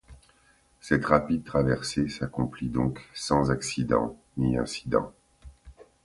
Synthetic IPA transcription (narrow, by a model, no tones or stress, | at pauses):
sɛt̪ʁapid̪̚t̪χavɛʁsesakɔ̃plid̪ɔ̃ksɑ̃zaksid̪ɑ̰̃ | niɛ̰̃si̥d̪ɑ̰̃